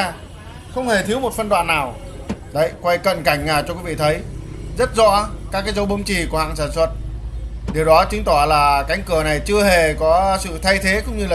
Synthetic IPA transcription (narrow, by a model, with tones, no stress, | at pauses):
xə˧wŋ͡mhe˨˩t̪ʰi˨˦əwmo˨˩t̚fə˧nɗwa̰ː˧˨nːaː˨˩w | ɗə˧˩jkwa˧jkə̰˧˨nka˧˩jŋ̟aː˨˩t͡ɕɔ˧kwi˨˦vḭ˧˨t̪ʰə˨˦jzə˦˥t̚zɔ̰˧˥kaː˦˥k̚aː˨˦jzə˨˦wɓə˨˧˦ŋ͡mt͡ɕi˨˩ku˧˩ha̰ː˧˨ŋsaː˧˩nswə˧˩t̚ɗe˨˩wɗɔ˨˦t͡ɕɨ˨˦ŋ̟t̪ɔ˧˩laː˨˩ka˨˦jŋ̟kɨ˧˩əna˨˩jt͡ɕɨ˧əɦe˨˩kɔ˨˦sɨ̰˧˨t̪ʰa˧jt̪ʰe˨˦kʊ̰˧˥ŋ͡mɲɨ˧laː˨˩